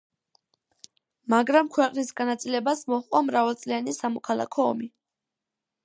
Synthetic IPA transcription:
maɡɾamkʰwɛqʼnisɡanat̪sʼilɛbasmɔχqʼɔmɾavalˠt̪sʼlianisamɔkʰalˠa̰kʰɔ̰ːmi

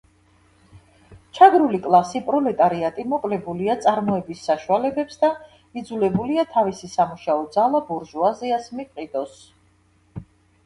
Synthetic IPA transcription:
t͡ʃʰaɡɾulikʼlˠasipʼɾɔlɛt̪ʼaɾiat̪ʼimɔkʼlɛbuliat̪sʼaɾmɔɛbisːaʃualɛbɛpsd̪a | id̪zulɛbuliat̪ʰavisisamuʃaɔd̪zalˠabuɾʒuaziasmipʼqʼid̪̥ʼɔs

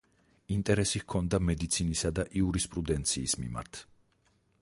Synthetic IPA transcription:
int̪ʼɛɾɛsihkʰɔnd̪amɛd̪it̪sʰinisad̪aʔiuɾispʼɾud̪ɛnt̪sʰiːsmḭma̰ɾt̪ʰ

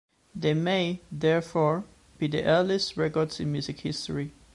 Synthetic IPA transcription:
ðemeɪðɛɹfɔɹ | b̥idiʔɛləstɹɛkɔɹdsɪ̃nmjʉzɪkhɪstə̰ɹi

